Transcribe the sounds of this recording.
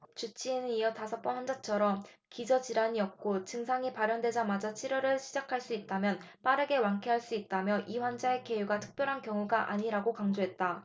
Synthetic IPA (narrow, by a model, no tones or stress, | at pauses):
t͡ɕut͡ɕ͈ʰienɯnijʌtasʰʌp͈ʌnhwand͡ʑat͡ɕʰʌɾʌmkid͡ʑʌt͡ɕiɾaɲiʌp̚k͈ot͡ɕɯŋsʰaŋipaɾjʌndwe̞d͡ʑamad͡ʑat͡ɕʰiɾʌɾɯɭɕʰid͡ʑakʰaɭs͈uit̚t͈amjʌn | p͈aɾɯɡe̞waŋkʰeɦaɭs͈uit̚t͈amjʌʔiɸwand͡ʑae̞ke̞juɡatʰɯ̥k̚p͈jʌɾɦankjʌŋuɡaʔa̰ɲiɾaɡokaŋd͡ʑoɦe̞t̚t͈a